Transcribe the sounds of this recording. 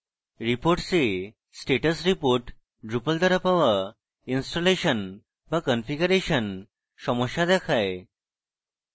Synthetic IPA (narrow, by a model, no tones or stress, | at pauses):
ɾipoɾʈse | sʈeʈəsɾipoɾʈ | ɖɾupəld̪əɾapaʋa | insʈoleɕən | ʋakɔnfiɡəɾeɕən | ʃɔmɔɕad̪ɛkʰaj